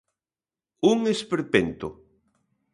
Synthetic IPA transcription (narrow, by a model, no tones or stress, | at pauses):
uŋespeɾpent̪o